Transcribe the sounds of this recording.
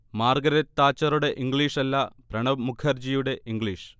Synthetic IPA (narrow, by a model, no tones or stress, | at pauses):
maːrɡɐɾɐt̪ːaːt͡ɕːɐɾuɽe̞ʔiŋɡɭiːʂɐlːɐpɾɐɳɐmukʰɐrd͡ʑijuɽe̞ʔiŋɡɭiːʂ